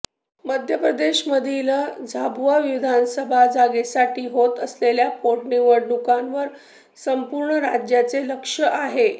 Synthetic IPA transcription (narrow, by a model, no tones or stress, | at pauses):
məd̪ʱjəpɾəd̪eɕməd̪ʱilad͡zʱabaʋiʋid̪ʱansəbʱad͡zaɡesaʈʰiːɦot̪əsleljapoʈniʋəɾɳukanʋəɾ | səmpuɾɳəɾa̰d͡ʑjat͡seləkʂəʔaɦe